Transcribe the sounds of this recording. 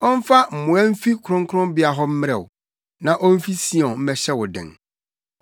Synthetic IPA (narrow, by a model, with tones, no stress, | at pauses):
ɔ˦m̩˦fa˦m̩˨mʊ̃˨ɛ˦m̩˦fi˦kʰʊ˨ɾʊ̃˦ŋ˦kʰɾʊ̃˦bɪ˦a˨ɦɔ˦m̩˦mɪ̃˦ɾɛ̰˨wʊ̰˨ | nã˨ʔɔ˦m̩˦fi˦si˦ɔ̃˨m̩˦mɛ˦ɕɛ˦wʊ˨dɪ̰̃˨ŋ